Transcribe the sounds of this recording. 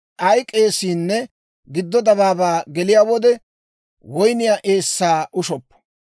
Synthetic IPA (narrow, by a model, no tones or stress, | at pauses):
ʔɐjkʼːeːsiːnːɛ | ɡɪd̪ːɔd̪ɐβaːbaːɡɛlɪjaːwɔd̪ɛ | wɔjnɪjaːʔe̞ːsːaːʔʊʃɔpːɔ̥